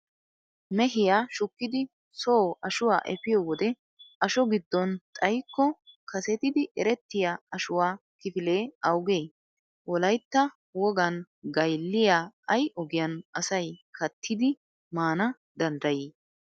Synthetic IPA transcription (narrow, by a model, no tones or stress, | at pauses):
mɛɦɪjaːʃʊkːɪd̪ɪ | soːʔɐʃʊwa̰ːʔɛfɪjɔːwɔd̪ɛ | ʔɐʃɔɡɪd̪ːɔnt̪ʼɐjkːɔkʰɐsɛt̪ɪd̪ɪʔɛɾɛt̪ːɪjaɐʃʊwaːkɪfɪle̞ːɐwɡeː | wɔlɐjt̪ːɐ | wɔɡɐn | ɡɐjlːɪjaːɐjʔɔɡɪjɐnɐsɐjkɐt̪ʰːɪd̪ɪ | maːnɐ | d̪ɐnd̪ɐjiː